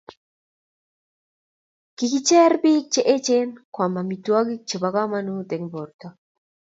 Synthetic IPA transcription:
kiki˦t͡ʃɛ˦ɾbi˦k̚t͡ʃe˦ʔe˦t͡ʃe˦nkwa˨ma˨mit̪u˦a˦ɡi˦k̚t͡ʃe˨ba˨ɡa˦manud̪e˨ŋbo˨ɾt̪a

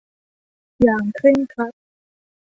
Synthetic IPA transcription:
jaː˨˩ŋkʰle˥˩ŋkʰa˦˥t̪̚

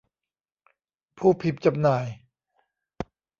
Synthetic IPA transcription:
pʰuː˥˩pʰi˨˧˦p̚t͡ɕa˧mnaː˨˩˦j

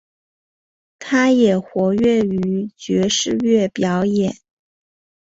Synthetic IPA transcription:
t̪ʰa˥jɛ˨˩xwɔ˧˥ɥɛ˥˩y˧˥t͡ɕɥɛ˧˥ʂɻ̩˥˧ɥɛ˥˩pjɑ˧˥ʊjɛ˨˩˦n

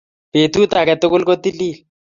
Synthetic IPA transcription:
pe˨t̪u˦t̪a˨kɛ˨t̪ʊ˦kʊ˦lko˦t̪i˦li˦˨l

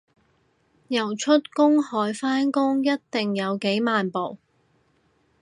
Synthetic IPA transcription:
jɐ˨˩wt͡ʃʰɵ˥t̚kʊ˥ŋhɔː˨˥jfaː˥nkʊ˥ŋjɐ˥t̚t̪ɪ˨ŋjɐ˨˧wke˨˥jmaː˨npo˨˩w

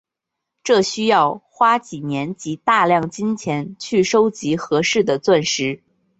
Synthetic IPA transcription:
ʈ͡ʂɤ˥˩ɕy˥jɑ˥˩ʊxwa˥t͡ɕi˨˩njɛ˧˥nt͡ɕi˧˥t̪a˥˧ljɑ˥˩ŋt͡ɕi˥nt͡ɕʰjɛ˧˥nt͡ɕʰy˥˩ʂo˥ʊt͡ɕi˧˥xɤ˧˥ʂɻ̩˥˩d̪ə˩t͡swə˥˩nʂɻ̩˧˥

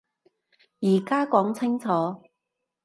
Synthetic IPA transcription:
jiː˨˩kaː˥kɔː˨˥ŋt͡sʰɪ˥ŋt͡sʰɔː˨˦

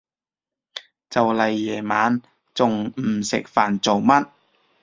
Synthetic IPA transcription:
t͡sɐ˨wlɐ˨jːɛː˨˩maː˨˥n | t͡sʊ˨ŋm̩˨˩sɪ̰˨k̚faː˨nt͡so˨wmɐ˥t̚

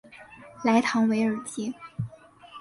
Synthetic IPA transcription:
la˧˥ɪt̪ʰɑ˧˥ŋwe˧˥ɪə˞˨˩t͡ɕi˥

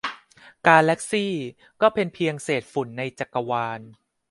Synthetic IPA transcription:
kaː˧nlɛ˦˥k̚siː˥˩ | kɔː˥˩pʰe˧npʰi˧əŋseː˨˩t̪̚fu˨˩˦nːa˧jt͡ɕa˨˩kːa˧waː˧n

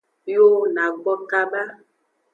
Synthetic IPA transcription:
jo˦na˨ɡ͡bɔ˦ka˦ɓa˦

